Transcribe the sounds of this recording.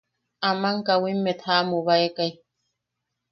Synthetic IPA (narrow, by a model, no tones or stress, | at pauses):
amaŋkawimːet̪ʰaːmuβaekaj